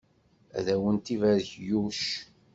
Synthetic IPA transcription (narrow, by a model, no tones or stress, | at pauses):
æ̰ðæwənt̪ivæðçjuʃ